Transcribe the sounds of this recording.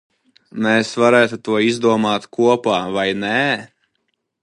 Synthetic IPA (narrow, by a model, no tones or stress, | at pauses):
meːsvaɾæːt̪ut̪uɔizd̪uɔmaːt̪kuɔpaːvajnæː